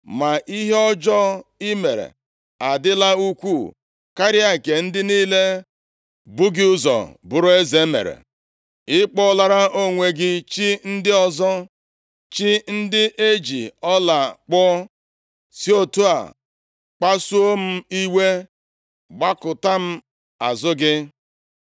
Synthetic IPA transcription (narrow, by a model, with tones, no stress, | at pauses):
ma˨ʔi˦ɦe˦ɔ˦d͡ʒɔ˦i˦me˨ɾḛ˨ | a˨dɪ˦la˦u˦kʷu˦˨ | ka˦ɾɪ˦a˨ke˨n̩˦dɪ˦niː˦le˦ | bʊ˦ɡɪ˦ʊ˦zɔ̰˨bʊ˨ɾʊ˦e˦ze˨˦mḛ˨ɾḛ˨ | ɪ˦k͡pɔ˦la˦ɾa˦ʔo˦ŋʷe˨ɡɪ˦t͡ʃi˦n̩˦dɪ˦ɔ˦zɔ˦ | t͡ʃi˦n̩˦dɪ˦ʔe˦d͡ʒḭ˨ɔ˦la˨k͡pɔ˦ | si˦o˦tu˦a̰˨ | k͡pa˦su˦o˦m̩˦i˦we˦ | ɡ͡ba˦kʊ˨ta˦m̩˦ | a˨zʊ˦ɡɪ˦